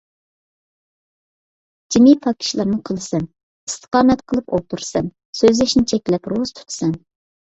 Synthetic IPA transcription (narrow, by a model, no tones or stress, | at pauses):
d͡ʒimipʰɑkʲʰi̥ʃlˠɨɾnɨqʰəlˠɨsɛn | ist̪ʰə̥qɑːmɛt̪qʰəlˠɨpo̰t̪ʰuɾsɛn | søzlɛʃnɪt͡ʃʰɛkʲlɛpɾoz̥t̪ʰu̥t̪ʰɨ̥sɛn